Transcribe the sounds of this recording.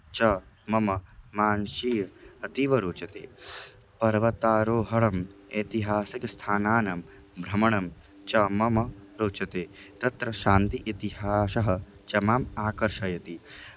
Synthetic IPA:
t͡ʃɐ | mɐmɐmaːnʃiːɐt̪iʋɐɾoːt͡ʃɐt̪ḛː | pɐɾʋɐt̪aːɾoːɦɐɭɐmet̪iɦaːsikɐst̪ʰaːnaːnɐm | bʱɾɐmɐɳɐm | t͡ʃɐmɐmɐɾoːt͡ʃɐt̪eːt̪ɐt̪ɾɐʃaːnt̪iʔit̪iɦaːʃɐɦɐ̆ | t͡ʃɐmaːmaːkɐɾʃɐjɐt̪i

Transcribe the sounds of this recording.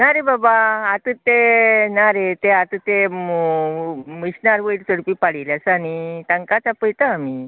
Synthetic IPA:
naɾebabaːt̪ət̪ːenaɾet̪eat̪ət̪ːe | miɕnaɾʋəiʈt͡səɽpiːpaɽilasañit̪ãŋkat͡sapəjt̪aami

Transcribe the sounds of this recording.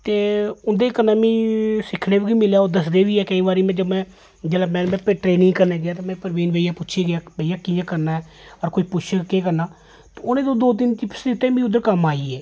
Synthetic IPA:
t̪eːʊnd̪eːkənãːmĩːsɪkʰneːbikiːmɪljaːoːd̪əsd̪eːʋiːɛːkəiːbaːɾiːmɛ̃ːd͡ʒəmɛ̃ː | d͡ʒeːlaːmɛ̃ːnmɛ̃ːpʈɾeːnɪ̃ŋɡkəɾneːɡɪjaːt̪amɛ̃ːpəɾʋiːnʋeːijaːpʊtːʃʰeːɡɪjaːʋeijaːkiːjãːkəɾnaːɛːɔːɾkoːiːpʊt͡ʃʰːkeːkəɾnaː | t̪ːʊnẽːt̪õːd̪oːt̪̬ɪnt͡ʃɪpsd̪eːʊt̪ːeːmĩːʊd̪əɾkəmaːiːɛː

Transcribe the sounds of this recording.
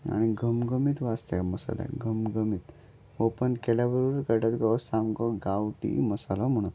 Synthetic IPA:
a̰ɽ̃iɡʱəmɡəmit̪ʋast̪eaməsa̰la̰ɡʱəmɡəmit̪ | ʋopənkɛljaʋəɾuɾəɾkəɖat̪ɡɔsamɡɔɡawʈḭməsalɔm̤əɽ̃ut̪

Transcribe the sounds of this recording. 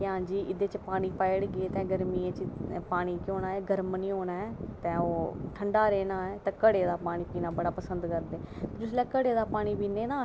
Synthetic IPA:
eɦãːɲd͡ʒiːʔɪd̪eːt͡ʃpaːɽ̃iːpaːjɪɽɡeːt̪ɛ̃ːɡəɾmiːẽːt͡ʃpaːɽ̃iːkoːnaːɛːɡəɾmniːɦoːnaːɛːt̪ɛ̃ːoːʈʰəɳɖaːɾeːnaːɛːt̪ɛ̃ːkəɽeːd̪aːpaːɽ̃iːpiːnaːbəɽaːpəsənd̪kəɾd̪eːt̪ːd͡ʒʊs̬lɛːkəɽeːd̪aːpaːɽ̃iːpiːneːnãː

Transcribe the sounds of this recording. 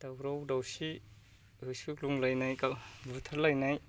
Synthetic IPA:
d̥awɾawdawsi | ɯsukluŋlajnajkabutʰaɾlajnaj

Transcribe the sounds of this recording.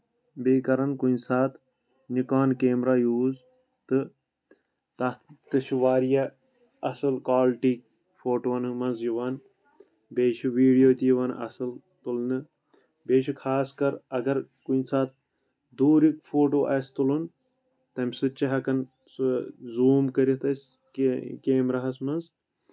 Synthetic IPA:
beːkɐɾɐnkunsaːt̪ʰ | nukaːnkeːmɾaːjuːz | t̪ɨ | t̪ɐt̪ɨʃuʋaːɾija | ɐsɨlkaːlʈiːk̚ | foːʈʋɐnɨmɐnzjiʋan | beːt͡ʃʰiʋiːɖijoːt̪iʋɐnʔɐ̰sɨl | t̪ulnɨ | beːʃʰikʰaːskɐɾɐɡɐɾkunsaːt̪̚ | d̪uːɾikfoːʈoːʔɐst̪ulun | t̪ɐmʲsɨt͡ʃɐɦɐkɐn | zuːmkɐɾit̪ɐs | kkeːmɾɐɦɐsmɐnz

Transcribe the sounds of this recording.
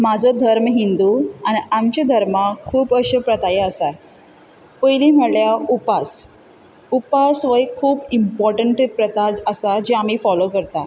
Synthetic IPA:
mad͡zʱɔd̪ʱəɾmɦind̪uañiʔamt͡ɕed̪ʱəɾmakʰuːpəɕəpɾət̪ajeəsa | pəjliːm̤əɽljaupas | upasʋəjkʰuːbimpɔɾʈəɳʈpɾət̪ad͡ʑəsad͡ʑeamiːfɔlokəɾt̪a

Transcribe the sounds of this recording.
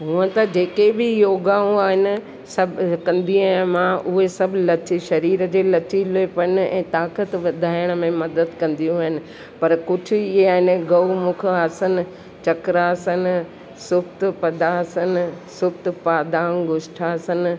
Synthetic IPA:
ɦũə̃t̪ɐd͡ʑeːkebɪjoːɡaːũaːɦɪnɪ̆ | sɐbkɐ̃nd̪ʱiamãʔʊɦesɐbʱlɐt͡ɕiʃɐɾiːɾəd͡ʑeːlɐt͡ɕilepɐnɪ̆ɛ̰̃ːt̪aːkət̪ʋɐd̪ʱaːjəɽ̃mẽmɐd̪əd̪kɐ̃nd̪ijũɦɪnɪ̆ | pɐɾkʊd͡ʑʰʱʊ̆ɪeaːɦɪnɡɐumʊkʰasənɪ̆ | t͡ɕɐkɾasənɪ̆ | sʊbt̪pɐd̪asən̆sʊb̚t̪paːd̪ãːɡʊʃʈʰaːsənɪ̆

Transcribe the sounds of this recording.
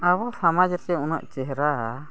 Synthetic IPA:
aβɔsamad͡ʒət̪ɛunəʔt͡ʃɛɦɾa

